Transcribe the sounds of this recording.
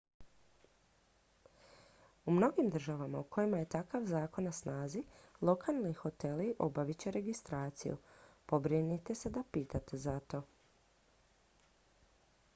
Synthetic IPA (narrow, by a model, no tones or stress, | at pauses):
umno̞ɡimd̪ɾr̩ʒaʋamaukʰo̞jimaje̞t̪akaʋzaːko̞nːasnaːzilˠo̞kʰalˠnixo̞t̪e̞liʔo̞baʋit͡ɕe̞ɾe̞ɡist̪ɾaːt̪sḭjṵpo̞bɾinit̪e̞sed̪apiːt̪at̪ezat̪o̞